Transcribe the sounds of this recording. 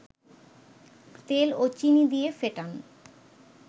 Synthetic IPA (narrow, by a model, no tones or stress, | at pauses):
t̪elot͡ɕinid̪ijefeʈan